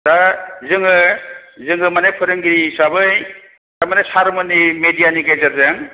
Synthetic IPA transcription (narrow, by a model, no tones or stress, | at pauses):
dazɯŋɯzɯŋɯmanajpʰɯɾɯŋɡiɾisabɯj | damanajsaɾmɯnimedijaniɡezaɾzaŋ